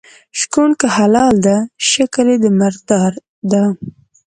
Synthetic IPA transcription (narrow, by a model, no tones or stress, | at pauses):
ʃkunkəhalɑld̪aʃakəled̪əmɪɾd̪ɑɾ | d̪a